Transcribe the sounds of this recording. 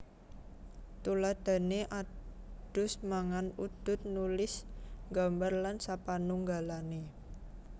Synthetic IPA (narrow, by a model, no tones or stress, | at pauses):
t̪ulad̪̥a̤neʔad̥ʊ̤smaŋanud̪̥ʊ̤t̪̚nulɪsŋɡambarlansapanuŋɡalane